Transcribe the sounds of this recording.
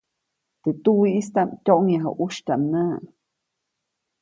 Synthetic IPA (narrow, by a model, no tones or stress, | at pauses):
t̪et̪uwiʔist̪amtʲoʔŋjaɦo̰ʔuʃtʲaʔmnaː